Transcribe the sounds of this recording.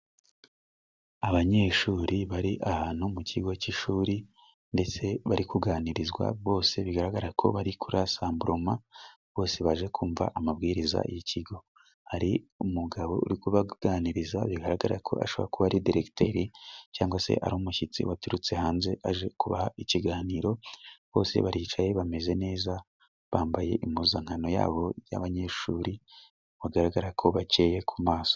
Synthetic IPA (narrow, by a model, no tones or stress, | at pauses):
aβaɲe̞ːʃuːɾiβaɾiʔaβaːn̥humucʰiɡo̞ciʃuːɾi | nde̞t͡se̞βaɾikuɡaːniɾizɡwa̰βo̞ːse̞βiɡaɾaɡaɾakʰo̞̰βaɾikʰuɾasaːmbuɾoma | βo̞ːse̞βaʒe̞kʰuːɱva̰ʔamaβɡiːɾiza̰ijicʰiɡo̞ | haɾiumuɡaβo̞ʔṵɾikuβaɡ̥aːniɾizaβiɡaɾaɡaɾakʰo̞̰a̰ʃo̞βo̰ɾakuβaɾidiɾekte̞ːɾicaːŋɡwase̞̰ʔa̰ɾumuʃit͡sḭwatuɾut͡se̞haːnze̞ʔaʒe̞kuβa̰haiciɡaːniːɾo̞βo̞̰ːse̞̰βaɾiːt͡ʃaje̞βame̞ze̞ne̞ːza | βaːmbaje̞̰ʔimuzaŋ̥ano̞ja̰ːβo̞ja̰βaɲe̞ːʃuːɾi | βaɡaɾaɡaɾakʰo̞βat͡ʃe̞je̞kʰumaːso̥